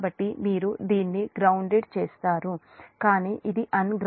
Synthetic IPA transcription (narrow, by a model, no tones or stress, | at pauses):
bɐʈːimiːɾud̪iːnːiɡɾɐwɳɖeɖt͡ʃeːst̪aːɾu | kaːniːʔid̪iʔɐnɡɾ